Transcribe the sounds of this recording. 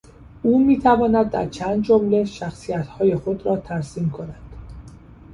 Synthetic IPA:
ʔuːmiːt̪ʰævɒːnæd̪̚ːæ̰ɾt͡ʃʰænd̪̚d͡ʒomle̞ʃæxsijæt̪hɒːje̞xo̞d̪ɾɒːt̪ʰæɾsiːmkʰo̞nænd̪̥

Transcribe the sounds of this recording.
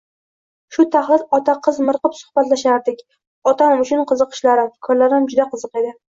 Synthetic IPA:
ʃʊt̪ʰaχlˠɪlɒt̪ʰaqʰɨzmɨɾqɨpsʊ̥hbat̪laʃaɾd̪ɪkʲ | ɒt̪ʰanɪmʊt͡ʃʰʊnqʰɨzɨqʰɨ̥ʃlaɾɪmkʰɒɾlaɾɪmd͡ʒʊd̪aqʰɨzɨqe̞d̪ɪ

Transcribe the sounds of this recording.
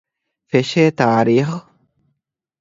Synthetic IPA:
feʃeːt̪aːɾiχ

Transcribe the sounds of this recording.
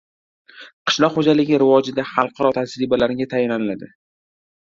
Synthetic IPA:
qʰɨ̥ʃlˠɒqχod͡ʒalɪɡʲɪɾɪvɒd͡ʒɪd̪aχɑlˠqʰɑɾɒt̪ʰasɾɪbalaɾɪɡʲat̪ʰajɪnanɪlad̪ɪ

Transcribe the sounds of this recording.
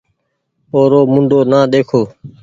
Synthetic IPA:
oːɾoːmʊɳɖʱoːnãːɗ̪eːkʰoː

